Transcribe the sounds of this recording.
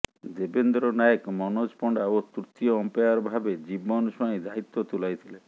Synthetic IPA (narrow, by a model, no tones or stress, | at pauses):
d̪ebend̪ɾɔnajekmɔnod͡ʒpɔɳɖaot̪uɾt̪iɔːmpejaɾɔbʱabed͡ʒibɔnɔsɔĩd̪ait̪ːot̪ulajt̪ʰile